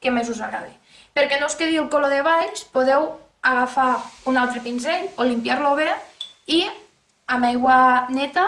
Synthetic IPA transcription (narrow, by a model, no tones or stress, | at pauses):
kemezuzaɣɾa̰ði | peɾkenoskeðilˠkoloðeβaʎspoðew | aɣafaunalˠt̪ɾepinzeʎolimpjaɾloβeɾai | amajɣwanet̪a